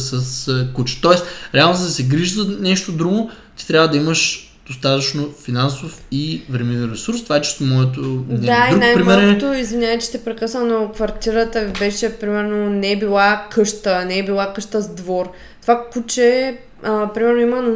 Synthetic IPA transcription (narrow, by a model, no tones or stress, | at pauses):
səskut͡ʃɛ̥t̪ɔɛsɾɛalˠnozɛd̪ɐsɛɡɾiʒzɐnɛʃt̪od̪ɾuɡo | t̪i̥t̪ɾʲjabvəd̪ɐiməʃ | d̪̥ost̪at̪ɐt͡ʃnofinansofivɾɛmivɛnɾɛsuɾst̪ovaɛt͡ʃi̥st̪omɔɛt̪̬od̪ɛd̪aiɾunajpɾimmɛɾot̪oizvinʲjaɐt͡ʃɛ̥t̪ɛpɾɛkəsənokvɐɾt̪iɾət̪əibɛʃɛpɾimɛɾnonɛɛbilˠakʰɤʃt̪ənɛːbilˠakɤʃt̪əzd̪vɔɾ | t̪ovakut͡ʃɛ | əpɾimɛɾnoimən